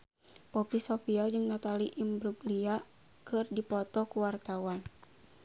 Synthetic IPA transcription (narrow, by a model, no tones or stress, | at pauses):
pɔpisofiald͡ʒɨŋnat̪aliʔimbɾuɡlia | kɨrdipɔt̪ɔkuwart̪awan